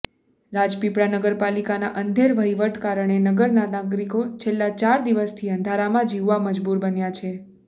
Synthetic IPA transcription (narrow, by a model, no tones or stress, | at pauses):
ɾad͡ʒpipɽanəɡəɾpalikanaʔənd̪ʱeɾʋəiʋəʈkaɾəɳ̃enəɡəɾnanaɡɾikot͡ʃʰelːat͡ʃaɾd̪iʋəst̪ʰiənd̪ʱaɾamãd͡ʒiʋːaməd͡ʒbuɾbənjat͡ʃʰe